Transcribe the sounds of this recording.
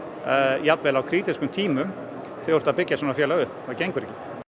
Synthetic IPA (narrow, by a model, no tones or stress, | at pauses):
jap̪vɛlawkʰɾiːt̪iskʏmt̪ʰiːmʏm | θɛoɾ̥t̪aðpɪcːasɔnafjɛːlaʏhpθɛðacejŋkʏɾɛcːɪ